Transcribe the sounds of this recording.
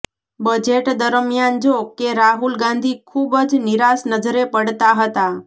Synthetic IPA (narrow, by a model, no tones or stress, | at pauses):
bəd͡ʒeʈd̪əɾmjand͡ʒokeɾaɦulɡãnd̪ʱikʰubəd͡ʒnɪɾasnəd͡ʒɾepəɽt̪aɦət̪a